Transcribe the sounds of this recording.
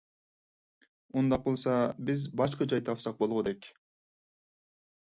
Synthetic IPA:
mund̪ɑq̚olˠsɑbizbɑʃqəd͡ʒɑjd̪ɑɑpsɑq̚bo̞lˠʁud̪ek

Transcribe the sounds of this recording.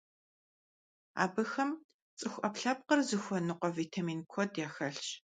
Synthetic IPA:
a̰ːbɨxɐm | t͡sʼɨxʷʔɐpɬɐp̚qərzɨxʷɔnɨqʷɔviːtʰamiːnkʷʰɔdjaːxɐɬt͡ʃ

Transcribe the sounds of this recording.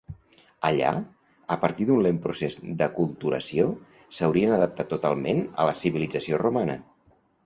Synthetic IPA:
əʎa̰ | əpəɾt̪iðunlempɾusezd̪əkulˠt̪uɾə̰sio | səwɾiənəðəp̚t̪at̪ːut̪alˠmenə̰ləsiβilid͡zəsiorumanə̰

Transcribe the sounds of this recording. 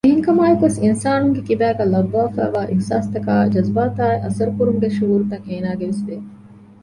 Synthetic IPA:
eɦiŋkɐmaːjekuʋesinsaːnuŋɡekibæːɡæːlɐbːaːfæ̰ːʋaːʔixsaːst̪ɐka̰ːd͡ʒɐzbaːt̪aːiʔɐsɐɾukuɾumuɡeʃuɦuːɾut̪ɐŋeːnaːɡeʋesbe

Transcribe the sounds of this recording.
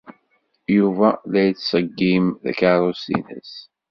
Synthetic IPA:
juvælæjt͡sːsəɡːimðæ̰kaɾˤosḭnə̰s

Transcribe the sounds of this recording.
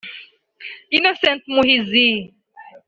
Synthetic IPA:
inosẽntmuhizi

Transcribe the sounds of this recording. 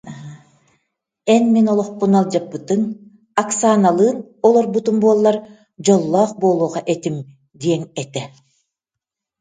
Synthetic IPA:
ɛnminɔlˠɔχpunalˠd͡ʒapːɯt̪ɯn | aksaːnalˠɯːnɔlˠɔɾbut̪umbuːlˠːɑɾ | d͡ʑɔlˠːɑːqbolˠuːʁɑʔet̪im | d̪ijɛŋɛt̪ɛ

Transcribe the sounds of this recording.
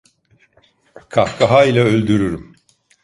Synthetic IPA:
kʰahkʰaɦailʲˠaølʲd̪yɾyɾym

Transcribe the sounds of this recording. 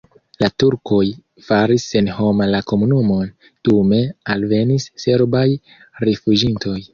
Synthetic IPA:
latuɾko̞j | faɾisːe̞nho̞malako̞munumo̞n | tume̞alve̞nisːe̞ɾbaj | ɾifud͡ʒinto̞j

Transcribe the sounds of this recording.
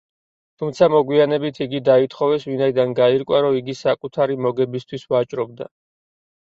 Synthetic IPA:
t̪ʰumt̪sʰamɔɡwianɛbit̪ʰiɡid̪ait̪ʰχɔvɛsvinaid̪anɡaiɾkʼwaɾɔiɡisakʼut̪ʰaɾimɔɡɛbist̪ʰwisvat͡ʃʼɾɔb̚d̪a̰

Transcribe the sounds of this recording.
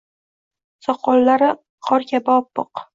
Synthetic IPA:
sɒqʰɒlːaɾɪ | qʰɒɾkʲabaɒpːʊ̰q

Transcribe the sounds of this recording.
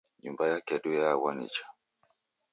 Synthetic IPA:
ɲumbajakɛɗujawanḭt͡ʃḁ

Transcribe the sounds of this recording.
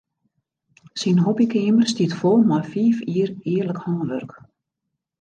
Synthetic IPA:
sinɦɔbikeimər̥st̪iːt̪fɔlˠmafiːfiːɾɪːɾləkhɔŋəʋœ̰rk

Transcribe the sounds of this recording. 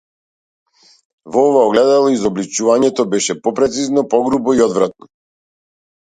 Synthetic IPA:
vɔɔvaɔɡlɛd̪alˠɔizɔblit͡ʃuvaɲɛt̪ɔbɛʃɛpɔpɾɛt̪siznɔpɔɡɾubɔiɔd̪vɾat̪̚nɔ

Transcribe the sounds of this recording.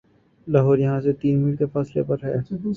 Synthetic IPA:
laːɦɔːɾjɐɦãset̪iːnmiːk̪efaːslepɐɾɦɛː

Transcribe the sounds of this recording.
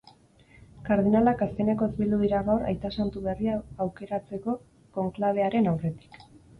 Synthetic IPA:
kaɾð̞inalakaske̞ne̞ko̞ezbild̪uðiɾaɣawɾa̰jt̪asant̪uβe̞riaːwke̞ɾat͡se̞ko̞ | ko̞ŋklaβ̞e̞aɾe̞nawre̞t̪i̥k

